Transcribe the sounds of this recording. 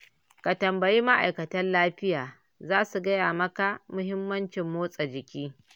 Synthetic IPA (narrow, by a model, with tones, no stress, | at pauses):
ka˨tɐ˨mbɐ˨jiː˦ma˦ʔa̰˨jkɐ˨tɐ˦nlaː˦ɸɪ˦jaː˨ | zaː˦su˨ɡɐ˦jaː˨mɐ˦ka˨mʊ˦ɦɪ˦mːɐ˦nt͡ʃɪ˨mːoː˦sʼɐ˨d͡ʒɪ˨kʲiː˦